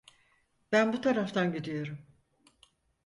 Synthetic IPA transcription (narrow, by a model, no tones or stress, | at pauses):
b̥ænbut̪ʰaɾaft̪ʰanɟid̪ijo̞ɾum